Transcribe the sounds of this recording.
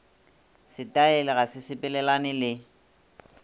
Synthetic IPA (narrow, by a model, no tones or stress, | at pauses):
sɪtʼaɛlɛɣasɪsɪpʼɛlɛlanɪlɪ